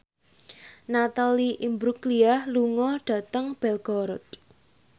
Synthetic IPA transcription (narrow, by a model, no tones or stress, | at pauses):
nat̪aliʔimbɾukliahluŋɔɖ̥ä̤t̪əŋb̥ɛlɡ̥ɔɾɔt̪̚